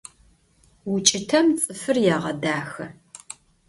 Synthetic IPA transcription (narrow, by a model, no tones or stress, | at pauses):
wʊt͡ʃʼɪtʰɐmt͡sʼɨfɨrjaːʁɐdaːxɐ